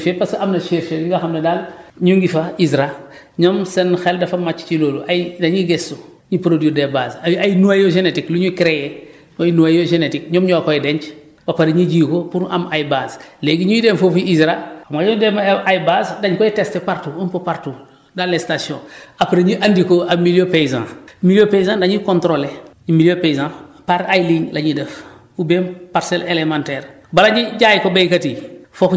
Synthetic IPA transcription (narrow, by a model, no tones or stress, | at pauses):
fepasɐmnɐʃeɾfediŋɡaxɐmnɐdalɲuŋɡifaizɾa | ɲomsenxɛldɐfɐmat͡ʃːt͡ʃiloːluʔajdaɲiɡesu | ɲipɾodiodebazajnuajoʒenetikluɲukɾeje | ojnuajoʒenetik̚ɲomɲɔakojdeɲt͡ʃ | bɐpaɾiɲid͡ʒiːkopuɾʔa̰majbasleːɡiɲujidenfofiizɾaamajɔdemʔajbazdaɲkɔitestepaɾtuumpopaɾtu | dalestasiõ̰ːapaɾiɲiʔandikoamilijopejzã̰ːmiljopeizãːdaɲikõntɾole | imiljopeizãpaɾajliŋlaɲidɛf | ubempaɾsɛlelemãntɛːɾ | balaɲiɟaːjkobejkatifof